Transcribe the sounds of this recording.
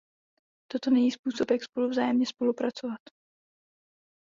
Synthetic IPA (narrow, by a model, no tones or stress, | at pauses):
t̪o̞t̪o̞nɛɲiːspuːso̞pjakspo̞luvzaːjɛmɲɛspo̞lupɾat͡so̞vat̪